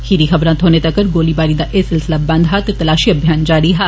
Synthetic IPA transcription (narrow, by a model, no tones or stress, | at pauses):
hiɾiːxəbɾãːt̪ʰoːneːt̪əkːəɾɡoːliːbaːɾiːd̪aːʔesɪlsɪlaːbə̃nd̪ɦaːt̪et̪ɐlaːʃiːəbʱjaːnd͡ʒaːɾiːɦaː